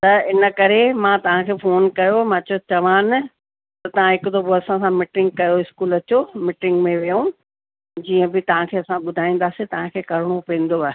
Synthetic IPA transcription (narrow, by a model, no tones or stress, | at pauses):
t̪ɐɪnə̆kɐɾemãːt̪ɐʋ̤ãkʰeːfoːnkɐjomãt͡ɕot͡ɕɐʋaːn | t̪ɐt̪ɐʋ̤ãɦɪkʊt̪ʰoboɐsãsãmɪʈɪ̃ŋɡ̚kɐjoɪskuːlɐt͡ɕomɪʈɪ̃ŋɡmẽʋijũ | d͡ʑiːə̃bɪt̪ɐʋ̤ãkʰeːɐsãɓʊd̪ʱaːĩːn̆d̪aːsit̪ɐʋ̤ãkʰeːkɐɾɪɽ̃opĩːn̆d̪oɛ